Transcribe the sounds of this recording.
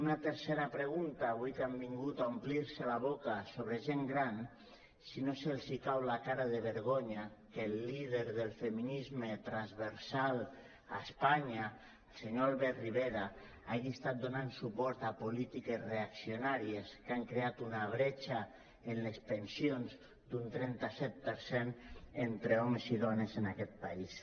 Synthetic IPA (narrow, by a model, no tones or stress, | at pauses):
unat̪eɾseɾapɾeɣ̞unt̪aːβujkambiŋɡut̪aumpliɾselaβ̞okasoβɾeʒeŋɡɾan | sinoselzikawlakaɾaðeβeɾɣ̞oɲakelːið̞eɾðelˠfeminizmet̪ɾanzβeɾsal | aespaɲa | lseɲoalβɛriβ̞eɾa | aɣiest̪at̪̚d̪onansupɔɾt̪apolit̪ikesreaksionaɾieskaŋkɾeat̪unaβ̞ɾet͡ʃa | enlespensionz | d̪unt̪ɾɛnt̪asɛt̪̚peɾsenent̪ɾeɔmeziðɔnezenakɛt̪̚pais